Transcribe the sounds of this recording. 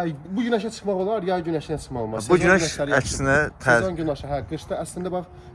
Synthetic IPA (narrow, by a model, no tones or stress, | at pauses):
æbuɟynæʃæt͡ʃʰɯ̥χmɑʁolˠɑɾjɑɟynæʃinæt͡ʃʰɯ̥χmɑʁolmɑbnynæʃlæɾæcsɪnæt̪ʰːɑnɟynɑʃɑɦæɡɯɾʃt̪ɑæslind̪æbɑχ